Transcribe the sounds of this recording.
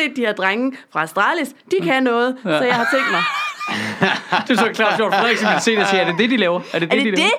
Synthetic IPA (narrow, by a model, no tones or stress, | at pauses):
e̝̰ːd̥iheɐd̥ʁaŋəfʁɑ̈sd̥ʁɑ̰̈ːlisd̥ikʰænɔ̽ːð̞̩ˠɒ̽jɑɪ̈ɪhɑ̈t͡sʰeŋ̰d̥mɑ̈ɪ | d̥esɔkʰlɑ̰̈ːfjo̰fʁɛ̰sɒmi̥se̝̰ːd̥siːæɐd̥e̝d̥e̝d̥ilɛːʊɐæɐd̥e̝dɐd̥eide